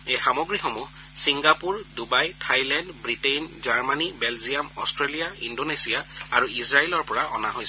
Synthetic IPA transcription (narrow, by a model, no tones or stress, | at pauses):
ejxamɔɡɹixomu | siŋɡapuɹdubajtʰajlandbɹitejnzaɹmanibɛlziamɔ̰stɹelijaindonesijaaɹuisɹailɔɹpɔɹaʔɔ̰naɦojs